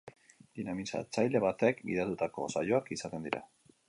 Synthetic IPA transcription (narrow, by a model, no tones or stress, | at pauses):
d̪inamisa̰t͡sajle̞βat̪ekbḭð̞at̪ut̪ako̞̰sajo̞akisat̪e̞nd̪iɾʔa̰